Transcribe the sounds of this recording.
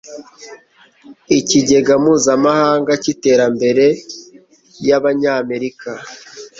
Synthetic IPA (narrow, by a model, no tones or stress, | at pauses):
iciɟe̞ɡamuːzamahaːŋɡacite̞ːɾambe̞ɾe̞ | jaβaɲame̞ɾika